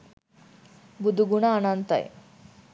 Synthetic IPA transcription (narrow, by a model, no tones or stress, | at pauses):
bud̪ʱuɡuɳaːnant̪a̰jḛ